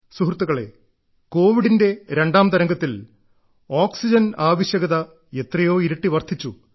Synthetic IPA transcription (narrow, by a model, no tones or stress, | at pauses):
suɦrt̪ːuɣɐɭe̞̰ | ko̞ːʋiɽinde̞ɾe̞ɳɖaːmt̪ɐɾɐŋɡɐt̪ːil | oːksid͡ʑɐnaːʋɐɕjɐɣɐðɐ | e̞t̪rɐjo̞ːiɾɐʈːiʋɐrt̪ʰit͡ɕːu